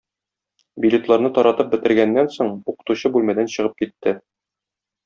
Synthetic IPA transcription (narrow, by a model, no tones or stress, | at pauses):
bʲilʲet̪lˠɑɾnɤt̪ɒɾɑt̪ɤp̚bɘ̆t̪ɘ̆ɾɡænːænsoɴuqɤ̥̆t̪uɕɤbʉlmæd̪ænɕɤ̆ʁɤp̚kit̪ːɘ